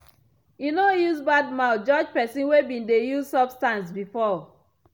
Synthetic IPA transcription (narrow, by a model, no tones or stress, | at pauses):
jinojuzbadmaʊtd͡ʒɔd͡ʒpɛsĩnwebĩndejuzsɔbstãnsbifɔ